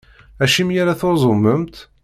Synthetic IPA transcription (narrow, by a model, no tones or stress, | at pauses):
æʃimjaɾaθozˤomːəmt̪